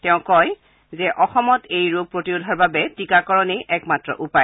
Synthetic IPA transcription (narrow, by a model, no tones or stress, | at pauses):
tɛʊ̃kɔj | zɛʔɔxɔmɔtejɹoɡ̚pɹotiodʱɔɹbabɛtikakɔɹɔneʔɛkmatɹɔ̰ʔupaj